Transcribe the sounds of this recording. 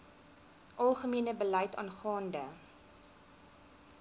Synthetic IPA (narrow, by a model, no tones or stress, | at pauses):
ʔɐlˠχəmiənəbəlɛjtɑ̰ːnχɑːndə